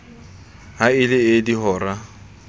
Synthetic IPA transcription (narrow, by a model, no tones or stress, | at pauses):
haɪlɪɪdiɦɔːra